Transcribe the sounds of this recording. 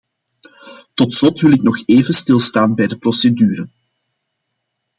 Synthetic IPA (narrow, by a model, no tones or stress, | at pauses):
tɔtslɔtwɪlɪknɔxeːvənstɪlˠstaːnbɛjdəprɔsedyːɾən